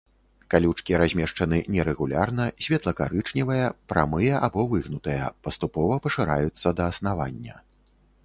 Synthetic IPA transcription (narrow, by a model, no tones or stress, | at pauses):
kalʲut͡ʂkʲiɾazʲmʲɛʂt͡ʂɐnɨnʲɛɾɛɣulʲarnɐsʲvʲɛt̪lˠɐkaɾɨt͡ʂnʲivɐjɐpɾʔa̰mɨjɐʔabɔvɨɣnut̪ɐjɐ̰pɐst̪upɔvɐpɐʂɨɾajut̪sːɐd̪ɐːsnava̰nʲːɐ̰